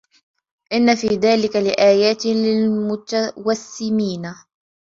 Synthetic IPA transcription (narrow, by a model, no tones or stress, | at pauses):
ʔɪnːafiːðaːlɪkalɪʔaːjaːt̪lɪlmʊt̪awasːɪmiːna